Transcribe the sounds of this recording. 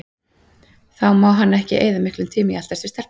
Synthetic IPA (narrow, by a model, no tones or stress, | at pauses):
θawmaːwɦanːaɛhcɪ̰ʔḛːjðamɪhklʏmt̪ʰɪːmɪjalt̪aɾsɪ̥ɾst̪ɛr̥